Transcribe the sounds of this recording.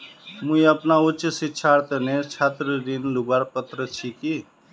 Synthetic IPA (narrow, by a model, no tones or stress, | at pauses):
mũjəpnaut͡ʃəsiːt͡ʃʰaɾt̪ənet͡ʃʰat̪ɾəɾinlubaɾpət̪ɾət͡ʃʰiki